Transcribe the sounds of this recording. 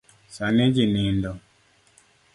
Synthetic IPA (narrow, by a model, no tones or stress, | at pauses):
saned͡ʒinindɔ